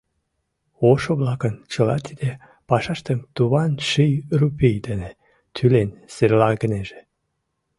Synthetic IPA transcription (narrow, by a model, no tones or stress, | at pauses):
oʃoβlɑkənt͡ɕəlɑ̰t̪ʰid̪e | pɑʃɑʃt̪emt̪uβɑnʃijrupijd̪ene | t̪ʰylenseɾlɑɡəneʒe̥